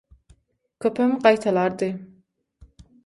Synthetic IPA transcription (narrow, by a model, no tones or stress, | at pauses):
kʲʰøpʰæmqɑjt̪ʰɑlˠɑɾd̪ɨ